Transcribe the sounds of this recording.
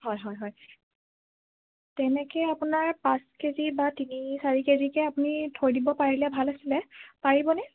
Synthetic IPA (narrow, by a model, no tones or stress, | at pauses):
hɔjɦɔjɦɔj | tɛnɛkɛapunaɹpãskezibatinisaɹikezikɛapʊnitʰoɹdibɔpaɹilɛbʱalasilɛpaɹibɔnɛ